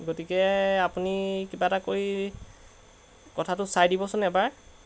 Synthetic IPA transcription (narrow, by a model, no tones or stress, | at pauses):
ɡotikɛapunikibatakoɹi | kɔtʰatʊsajdibɔsʊnɛbaɹ